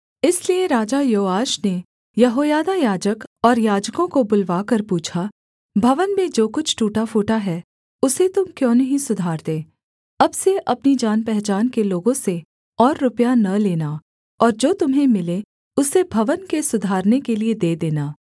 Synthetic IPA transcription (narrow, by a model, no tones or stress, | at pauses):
ɪslieɾaːd͡ʒajoːaːʃne | jɐɦoːjaːd̪ajaːd͡ʒəkɔːɾjaːd͡ʒkõkobʊlʋaːkɐɾpuːt͡ʃʰa | bʱɐʋənmẽd͡ʒoːkʊt͡ʃʰʈuːʈafoːʈaɦɛː | ʊset̪ʊmkjõːnɐɦisʊd̪ʱaːɾd̪eː | ɐbseʔɐpnid͡ʒaːnpɛɦt͡ʃaːnkeloːɡõse | ɔːɾːʊpjanɐleːna | ɔːɾd͡ʒoːt̪ʊmɦẽmɪle | ʊsebʱɐʋənkesʊd̪ʱaːɾnekelied̪eːd̪eːnaː